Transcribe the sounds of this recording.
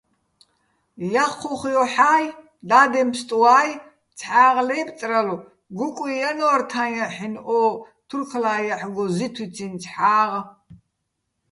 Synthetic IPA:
jaχuχjɔħaːj | d̪aːd̪ɛmpst̪ʼuwaːj | t͡sʰħaːʁlɛːpt͡sʼralu | ɡukʷʼijanɔrt̪ʰanjaħinʔɔː | t̪ʰurkʰlaːjaħɡɔzit̪ʰwit͡sʰint͡sʰħaːʁ

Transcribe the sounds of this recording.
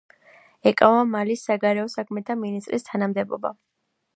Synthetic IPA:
ɛkʼavamalisːaɡaɾɛɔsakʰmɛt̪ʰaminist̪ʼɾist̪ʰanamd̪ɛbɔ̰ba̰

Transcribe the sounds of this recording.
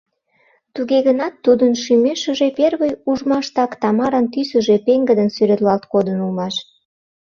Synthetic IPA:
t̪uɣeɣənɑt̪ːud̪ənʃymeʃə̆ʒeperβəjuʒmɑʃt̪ɑkt̪ɑmɑɾənt̪ysə̆ʒepeŋɡəd̪ənsyɾet̪lɑlt̪kod̪ənulmɑʃ

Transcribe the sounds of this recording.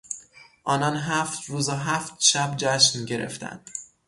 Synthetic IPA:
ʔɒːnɒnɦæft̪ɾuːzɒɦæft̪ʃæbd͡ʒæʃmɟe̞ɾe̞̰ft̪ʰæ̰nd̪̥

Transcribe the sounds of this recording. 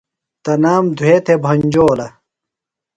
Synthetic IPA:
t̪ɐnaːmd̪ʱweːt̪ʰebʱɐnd͡ʑoːlɐ

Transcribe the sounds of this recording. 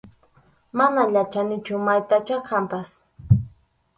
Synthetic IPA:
manaʎat͡ʃanɪt͡ʃʊmajt̪at͡ʃakʰampas

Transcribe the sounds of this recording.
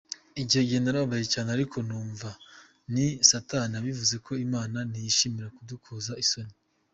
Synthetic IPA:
iɟiheɟiendaɾaβajecaːneaɾikʰo̞nuːɱva | nisatanaβivuze̞kʰo̞imaːnanijiʃimiɾakudukʰozaiso̞ni

